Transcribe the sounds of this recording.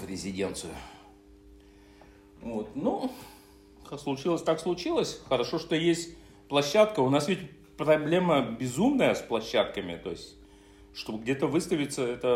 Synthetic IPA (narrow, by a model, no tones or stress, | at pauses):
vɾʲɪzʲɪdʲe̞nt̪sɨjʊ | vo̞t̪nu | aslˠʊt͡ɕilˠəsʲt̪akslˠʊt͡ɕilˠəsʲxəɾɐʂo̞ʂt̪ojesʲtʲ | plˠɐɕːat̪kəʊnasvʲɪtʲ | pɾɐblʲeməbʲɪzumnəjəsplˠɐɕːat̪kəmʲɪ̰t̪o̞ɪsʲtʲ | ʂt̪obɡdʲet̪əvɨst̪əvʲɪt̪səɛt̪ə